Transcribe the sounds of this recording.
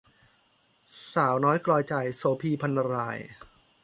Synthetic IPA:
saː˩˦wnɔː˦˥jklɔː˧jt͡ɕa˨˩jsoː˩˦pʰiː˧pʰa˧nːa˧ɾaː˧j

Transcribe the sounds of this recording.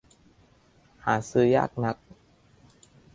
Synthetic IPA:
haː˩˦sɯː˧ja̰ː˥˩k̚na˦˥k̚

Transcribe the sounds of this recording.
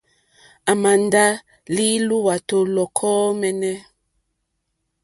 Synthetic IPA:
a˨ma˨nda˦ | li˦lu˦wa˨to˦lɔ˨kʰɔ˦mɛ˦nɛ˦

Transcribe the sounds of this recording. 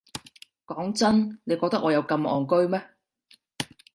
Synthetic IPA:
kɔː˨˥ŋt͡sɐ˥nne˨˧jkɔː˧k̪̚ɐ˥k̚ʔɔː˨˧jɐ˨˧wkɐ˧mʔɔ̰ː˨ŋkɵ˥ɥmɛː˥

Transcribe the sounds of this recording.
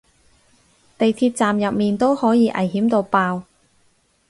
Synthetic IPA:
t̪e˨jt̪ʰiː˧t̚t͡saː˨mjɐ˨p̚miː˨˩nt̪o˥whɔː˨˥jiː˧ʔɐ̰˨˩jɦiː˨˥mt̪o˧wpaː˧w

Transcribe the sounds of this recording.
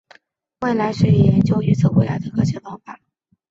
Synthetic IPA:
we˥˩ɪla˧˥ɪʂɻ̩˥˩i˨˥˩jɛ˧˥nt͡ɕjo˥ʊy˧˥t͡s̩ʰ˥˩xwe˧˥la˧˥d̪ə˨˩kɤ˧˥t͡ɕʰjɛ˧˥pɑ˥ŋfa˥˩

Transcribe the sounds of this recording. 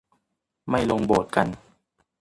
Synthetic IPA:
ma˥˩jlo˧ŋboː˨˩t̪̚ka˧n

